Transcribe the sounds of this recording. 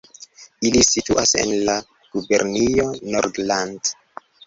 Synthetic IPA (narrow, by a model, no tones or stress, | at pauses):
ilisituʔase̞̰nla | ɡ̥ube̞̰ɾnijo̞noɾdland